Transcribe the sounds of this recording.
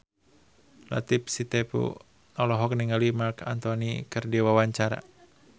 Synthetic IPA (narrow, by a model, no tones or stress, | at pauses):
la̰t̪ip̚sit̪ɛpṵ | nɔlɔɦɔk̚niŋalimarka̰nt̪ɔnikɨrdiwawaɲt͡ʃaɾa̰